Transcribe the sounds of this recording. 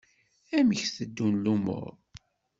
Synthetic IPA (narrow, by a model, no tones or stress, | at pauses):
æməçθəd̪ːunlumʊ̰ɾ